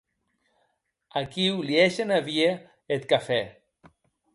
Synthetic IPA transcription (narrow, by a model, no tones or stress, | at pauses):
akiwlieʃenaβie | et̪̚kafɛ